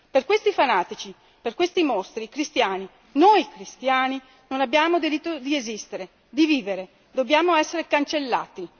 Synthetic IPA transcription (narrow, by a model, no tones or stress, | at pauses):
perkwest̪ifanaːt̪it͡ʃi | perkwest̪imost̪ɾikɾist̪jaːni | nojkɾist̪jaːni | nonabjaːmod̪iɾit̪ːod̪iezist̪eɾe | d̪iviːveɾe | d̪objaːmoɛsːeɾekant͡ʃelːa̰ːt̪i